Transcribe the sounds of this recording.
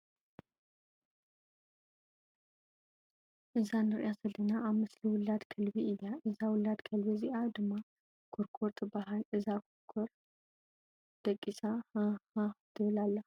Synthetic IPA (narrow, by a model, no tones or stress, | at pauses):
ʔɨzanɨɾʔjasɐlɨnaʔaβmɨsliwʊlːad̪kʰɐlbiɨjːaʔɨzawʊlːad̪kʰɐlbiziʔad̪ɨmːa | kʰoɾkʰoɾt̪ʰʼbaɦalʔɨzakʰokʰoɾ | d̪̥ɐkʼːisahhad̪ʰɨβlalːɐ